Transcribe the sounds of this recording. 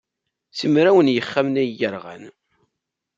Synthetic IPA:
simɾæwənjəχːæmnæjəɾʁæ̰n

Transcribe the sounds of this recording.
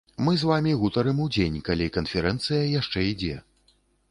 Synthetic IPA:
mɨzvamʲiɣut̪ɐɾɨmud͡zʲenʲkalʲikɐnfʲɛɾɛnt̪sɨjɐjaʂt͡ʂɛid͡zʲɛ

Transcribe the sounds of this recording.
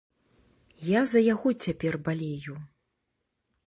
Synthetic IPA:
jazɐjaɣɔt͡sʲapʲɛrbalʲeɛju

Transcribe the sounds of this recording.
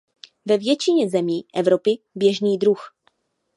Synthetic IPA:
vɛvjɛt͡ʃɪɲɛzɛmiːʔɛvɾo̞pɪ | bjɛʒniːdɾux

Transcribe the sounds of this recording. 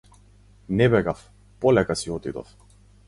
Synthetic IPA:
nɛbɛɡaf | polɛkasiɔt̪id̪ɔ̰f

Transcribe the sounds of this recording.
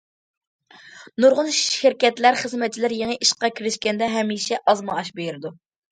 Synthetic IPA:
nuɾʁʊnʃʃɪɾkʲɛt̪læɾχəzmɛt͡ʃʰilɪɾjeŋəʔiʃqɑkʲʰiɾɪʃkʲɛnd̪ɛɦɛmːiːʃɛʔɑzmɑɑʃbejyɾɪd̪u

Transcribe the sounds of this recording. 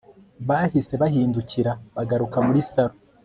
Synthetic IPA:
βaːhise̞βahiːnduciɾaβaɡaɾukamuɾisaɾo

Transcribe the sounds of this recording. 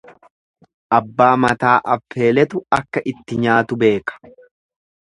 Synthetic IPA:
ʔɐbːaːmɐt̪aːʔɐfːe̞ːlɛt̪ʊɐkːɐʔɪt̪ːɪɲaːt̪ʊbe̞ːkɐ̥

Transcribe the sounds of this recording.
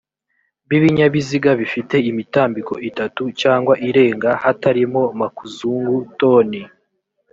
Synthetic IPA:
βiβiɲaβiziɡaβifite̞imitaːmbiko̞ʔitatucaːŋɡwaʔiɾe̞ːŋɡahataɾimo̞makuzuːŋɡuto̞ːni

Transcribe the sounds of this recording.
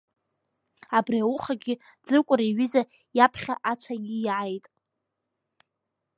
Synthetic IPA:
abriawuχaɡʲɪ | d͡zɨrkʷʼʊɾaɥiza | japʰχʲaʔat͡ʃʷʰaɡʲɪʕajtʼ

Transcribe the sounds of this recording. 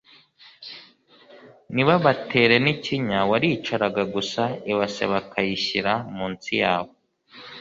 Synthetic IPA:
niβaβatʰe̞ːɾe̞niciɲawaɾit͡ʃaɾaɡaɡusaiβasḛβakʰajiɕiɾamuːnt͡sijaːβo

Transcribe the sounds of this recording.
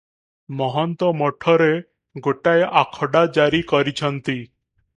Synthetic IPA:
mɔɦɔnt̪ɔmɔʈʰɔɾe | ɡoʈajʔakʰəɽad͡ʑaɾikəɾit͡ɕʰənt̪i

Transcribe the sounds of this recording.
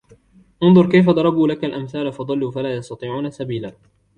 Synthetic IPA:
ʔʊnðˤʊɾˤkajfad̪ˤɑɾˤɑbuːlakalʔamθaːlafɑd̪ˤɑlːuːfalaːjɑst̪ɑt̪ˤiːʕuːnasabiːlaː

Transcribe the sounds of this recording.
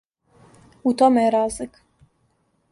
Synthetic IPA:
ut̪omejeɾaːzlik

